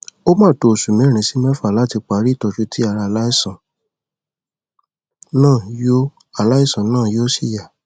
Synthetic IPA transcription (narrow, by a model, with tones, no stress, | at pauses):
o˦mãː˦˨to˧˨su˨mẽ˨˦˨ɾ̃ĩ˧si˦mɛ̃˦fa˦˨la˨˦ti˧k͡pa˨˦ɾi˦˨tɔ˧d͡ʒu˧ti˦a˧˨ɾa˧˨la˦i˦˨sã˨ | nãː˦˨jo˦ | a˨la˦i˦˨sã˨˦nãː˦˨jo˦si˦˨ja˨